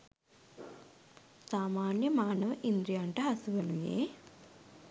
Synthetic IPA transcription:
saːmaːnjɐmaːnɐʋɐʔind̪ɾijaɳʈɐɦɐsuʋɐnujḛː

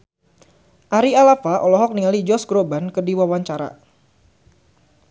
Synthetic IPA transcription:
ʔaɾialafaʔɔlɔɦɔk̚niŋalid͡ʒɔsɡɾobankərdiwawaɲt͡ʃaɾa̰

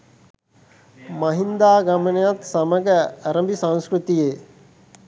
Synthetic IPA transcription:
mɐɦind̪aːɡamənejat̪sɐməɡəːɾəmbisãŋ̃skɾut̪ije

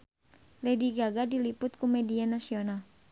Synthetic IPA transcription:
lɛdiɡaɡadilipʊt̪̚kumɛdianasional

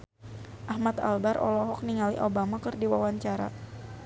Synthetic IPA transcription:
ʔahmat̪a̰lbaɾʔɔ̰lɔɦɔk̚niŋalḭʔobamakɨrdiwawaɲt͡ʃaɾa

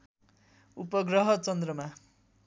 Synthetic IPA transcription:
upʌɡrʌɦʌt͡sʌnd̪rʌma

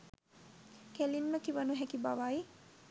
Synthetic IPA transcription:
kelinːəkiʋənuɦɛkibaʋaj

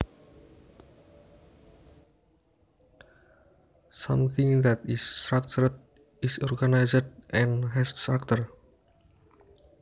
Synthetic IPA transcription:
sãmθɪ̃ŋd̪ɛt̪ist̪ɾak̚t͡ʃuɾt̪̚ | ɪsɔrɡanajsdʔɛ̃nɦɛst̪ɾak̚t̪ər

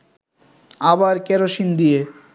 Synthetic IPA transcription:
abaɾkɛɾoʃind̪ije

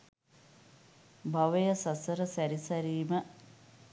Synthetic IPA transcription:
bʱaʋəjəsasəɾəsæɾisæɾiːmə

